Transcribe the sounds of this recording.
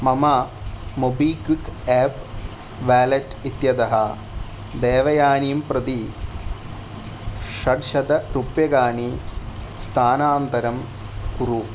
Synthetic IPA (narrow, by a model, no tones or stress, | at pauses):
mɐmɐ | mobiːkwikeːp | ʋaːlɐʈit̪jɐd̪ɐɦɐ | d̪eːʋɐjaːnijmpɾɐd̪i | ʂɐɖʃɐd̪ɐɾupjɐɡaːni | st̪ʰaːnaːnt̪ɐɾɐm | kuɾu